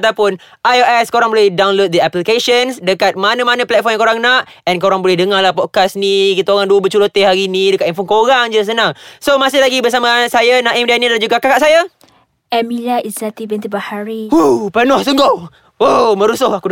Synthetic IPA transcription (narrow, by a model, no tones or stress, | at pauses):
t̪apʊn | ajoʔɛskoɾaŋbolɛhdawnlot̚dəɛplikeʃənsdəkat̪̚manə̃manə̃plɛt̪̚fɔmjãŋkoɾaŋnaʔ | ɛnkoɾaŋbolɛhdəŋaɾlahpɔd̚kasnikit̪aoɾaŋduəbət͡ʃulot̪eɦaɾinidəkat̪imfɔnkoɾaŋd͡ʒəs̬ənãŋsomasɪhlaɡibərs̬amasajanãʔimdanilad͡ʒuɡakakaʔsaja | ʔɛmilaizat̪ibint̪əbahaɾiupənɔhsəŋɡow | omə̃ɾusʊhaku